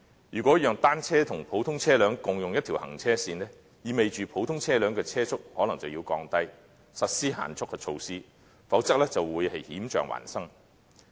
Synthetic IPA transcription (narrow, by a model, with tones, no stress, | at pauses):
jyː˨˩kʷɔ˨˥jœː˨ŋt̪aː˥nt͡sʰɛː˥t̪ʰʊ˨˩ŋpʰo˨˥wt̪ʰʊ˥ŋt͡sʰɛː˥lœː˨˥ŋkʊ˨ŋjʊ˨ŋjɐ˥t̪ʰi˨whɐ̰˨˩ŋt͡sʰɛː˥siː˧nɛː˥ | jiː˨˧me˨jt͡ʃyː˨pʰo˨˥wt̪ʰʊ˥ŋt͡sʰɛː˥lœː˨˥ŋkɛː˧t͡sʰɛː˥t͡sʰʊ˥k̚hɔː˨˥lɐ˨˩ŋt͡sɐ˨wjiː˧wkɔː˧ŋt̪ɐ˥j | sɐ˨t̚siː˥ha̰ː˨˩nt͡sʰʊ˥k̚ːɛː˧t͡ʃʰo˧wsiː˥ | fɐ˨˥wt͡sɐ˥k̚lɛː˥t͡sɐ˨wwuː˨˧jhɐ˨jhiː˨˥mt͡ʃœ̰ː˨ŋwa̰ː˨˩nsɐ˥ŋ